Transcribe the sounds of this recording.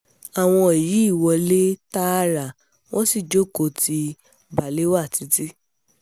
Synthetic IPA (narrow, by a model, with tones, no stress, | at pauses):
a˨w̃ɔ̃˧e˨ji˨˦i˦˨wɔ˧le˦ta˦ɾa˨ | w̃ɔ̃˦si˦˨d͡ʒo˦˨ko˧ti˧ | ba˨le˦wa˦˨ti˨˦ti˦